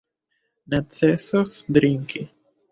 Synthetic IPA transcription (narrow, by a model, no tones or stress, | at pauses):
net̪t͡sesosd̪ɾiŋki